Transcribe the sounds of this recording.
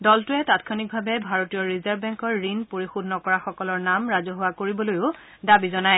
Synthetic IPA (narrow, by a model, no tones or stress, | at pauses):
dɔltʊɛtatkʰɔnik̚bʱabɛbʱaɹotijɔɹizaɹbbɛŋkɔɹːinpoɹixudʱnɔkɔɹaxɔkɔlɔɹnamɹazɔɦʊwakoɹibɔlojʊ | dabizɔnaj